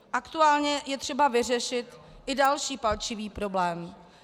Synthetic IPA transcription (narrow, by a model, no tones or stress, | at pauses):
ʔakt̪uaːlɲɛjɛt̪r̥ɛbavɪr̝ɛʃɪt̪ʔɪdalʃiːpalt͡ʃɪviːpɾo̞blɛːm